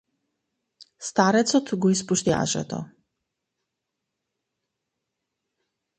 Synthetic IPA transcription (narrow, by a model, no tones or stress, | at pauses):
st̪aɾɛt̪sɔt̪ʰɡɔispuʃt̪ia̰ʒɛ̰t̪ʰɔ̰